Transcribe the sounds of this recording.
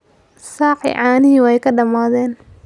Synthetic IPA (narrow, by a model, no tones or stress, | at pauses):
saːħɪ̰ʕɑːnɪɦɪwɛjkʰɐɖɐmaːðɛːn